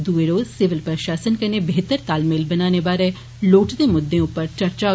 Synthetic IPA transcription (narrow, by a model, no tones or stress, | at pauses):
d̪ueɾoːzsɪʋɪlpɾəʃaːsənkɐnebeːt̪əɾt̪aːlmeːlbənaːnebaːɾe | loːʈd̪emʊd̪ːẽʊpəɾt͡ʃəɾt͡ʃa